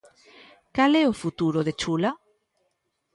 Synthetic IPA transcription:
kalɛofut̪uɾoðet͡ʃula

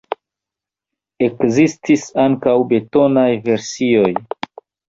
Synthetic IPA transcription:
e̞kzistisaŋkawbe̞to̞najve̞ɾsio̞j

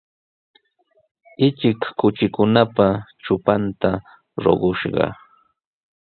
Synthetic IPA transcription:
ɪt͡ʃɪkːʊt͡ʃɪkʊnapat͡ʃʊpant̪a | ɾo̰ɢʊʃɢɑ̰

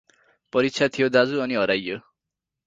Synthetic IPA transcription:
pʌɾitt͡sʰjat̪ʰijod̪ad͡zuʌniɦʌɾajːo

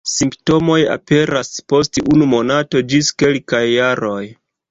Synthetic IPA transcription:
simpto̞mo̞ja̰pe̞ɾaspo̞stunumo̞nato̞d͡ʒiske̞lkajːaɾo̞j

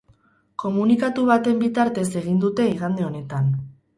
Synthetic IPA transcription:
ko̞munikat̪uβ̞at̪e̞mbit̪aɾt̪e̞se̞ɣind̪ut̪e̞iɣand̪e̞o̞ne̞t̪an

